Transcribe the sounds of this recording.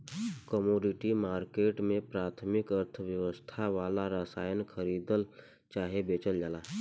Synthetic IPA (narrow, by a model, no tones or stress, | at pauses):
kəmoːɖɪʈimaːɾkeːʈmẽpɾaːt̪ʰmɪkəɾt̪ʰəʋjəʋəst̪ʰaʋaːlaɾəsaːjənkʰəɾiːd̪əl | t͡ʃaːɦebeːt͡ʃəld͡ʒaːlaː